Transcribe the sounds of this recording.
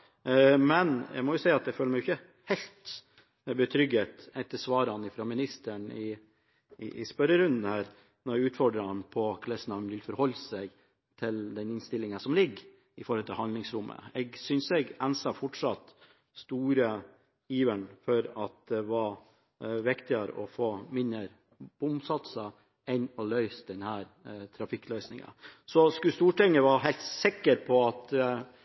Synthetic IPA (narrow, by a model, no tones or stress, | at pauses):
mɛnæ̰ɡmɔjʊsæɪəɑt̪æføːləmɛɡjʏçə | hɛɪlt̪ | bət̪ʰɾʏɡət̪ɛt̪ːəsʋɑːɾɑnɪfɾɑmɪnɪst̪əɳɪ | ɪ̰ʔɪ̰spœɾəɾʉnd̪n̩hæːɾ | nɔɾɡʉːt̪fɔɖɾɑnpʰɔkʰlɛsənɑnʋɪlfɔɾhɔlːsɛɡ | t̪ʰɪld̪ɛnɪnst̪ɪlːɪŋənsɔmlɪɡ | ɪfɔɾhɔlt̪ʰɪlhɑnd̪ɪŋsɾʊmːʔə̰ɛɡsʏnsɛɡɛnsɑfɔʈʂɑt̪ | st̪uːɾə | iːʋənfɔɾɑt̪̚d̪ɛʋɑɾ | ʋɪkt̪ɪəɾə̰ʔɔfoːmɪnːəɾ | b̥ʊmsɑt̪sə | ɛnɔlœʏsd̪ɛnhæːɾ | t̪ʰɾɑfɪkːlœʏsnɪŋɑ̰sɔskʉst̪uːʈɛŋːəʋɑɦæɪlt̪sɪkːəɾpʰɔɑt̪